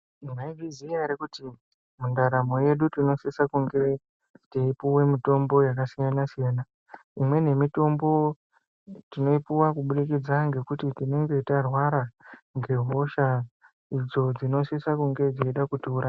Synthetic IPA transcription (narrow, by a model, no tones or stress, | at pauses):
imaiɦiziaɾikuti | mundaɾamo̞je̞ɗutino̞sisakuŋɡe̞ | teipuwe̞mito̞mbo̞jak̬asijanasijaːna | imwe̞ne̞mito̞mbo̞ | tino̞ipuwakuɓuɗikid͡zaŋɡe̞kutitine̞ŋɡe̞itarwaɾaŋɡe̞ɦo̞ʃa | id͡zo̞d͡zino̞sisakuŋɡe̞d͡ziiɗakutuːɾa